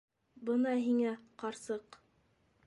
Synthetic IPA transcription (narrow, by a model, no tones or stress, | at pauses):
bɤnɑɦiŋæqɑɾsɤq